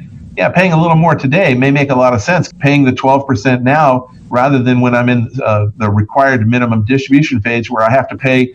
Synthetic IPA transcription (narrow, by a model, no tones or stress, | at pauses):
jæ̰pʰeɪɪ̃ŋəlɪɾl̩ˠmɔɹtʰɨdeɪmeɪmeɪkəlɔɾʌv̥sɛ̃nspʰeɪɪ̃ŋðɨtʰw̥ɛlˠv̥pʰə˞sɛ̃nːaʊ | ɹæðə˞ðɨ̃nwə̃ɾ̃ãɪ̃mɨ̃nðɨɹɨkʰw̥aɪə˞d̚mɪ̃ñɨmə̃mdɪstɹ̥ɨbjʉʃɨ̃n̩feɪd͡ʒwə˞aɪhæftɨpʰeɪ